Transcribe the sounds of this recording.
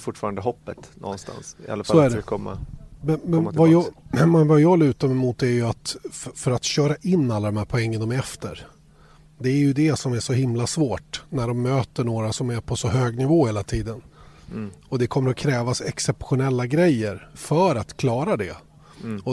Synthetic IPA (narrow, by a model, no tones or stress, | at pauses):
fʊʈfɑ̰ːɾand̪əɦɔpːət̪nʔɔ̰nst̪a̰nsɪ̰a̰lːafsalɔæɖɛkʰɔmːa̰mɛnmɛnvajɑmɛnvajɑːlʉ̟ːt̪aɾmɛmʊːt̪ːæɾjɵat̪fœɾat̪ɕœːɾaʔɪnːalːad̪ɔmhæːɾpʰɔɛŋːənd̪ɔmɛɾɛft̪ə̰ɾ | d̪ɛːɾjɵd̪ɛsɔmæʂɔhɪmlasvoːʈnæɖɔmːøːt̪əɳoːɾasɔmæɾpʰɔsɔɦøːɡnɪvoːheːlat̪ʰiːd̪ən | ɔd̪ɛkʰɔmːəɾɔkʰɾɛːvasɛksɛpɧʊnɛlːaɡɾɛjːəɾfœɾat̪kʰlɑːɾad̪ɛ | ɔ